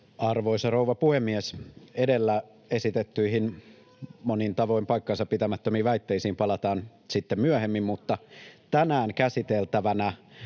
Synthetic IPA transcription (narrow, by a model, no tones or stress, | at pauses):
ɑrʋoisɑrouʋɑpuhemːiesedelːæ | esit̪et̪ːyihin | monint̪ɑʋo̞impɑikːɑnsɑpit̪æmæt̪ːømiːʋæit̪ːeisiːmpɑlɑt̪ɑːnsit̪ːemmyøhemːimmut̪ːɑt̪ænæːŋkæsit̪elt̪æʋænæ